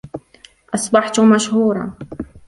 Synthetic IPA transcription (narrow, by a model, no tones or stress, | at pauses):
ʔɑsˤbɑħt̪maʃhuːɾˤɑ̰